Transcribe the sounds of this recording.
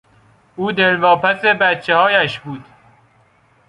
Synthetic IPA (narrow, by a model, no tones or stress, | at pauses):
ʔuːd̪elvɒːpʰæsebæt̪̚t͡ʃʰːe̞hɒːjæʃbuːd̪̥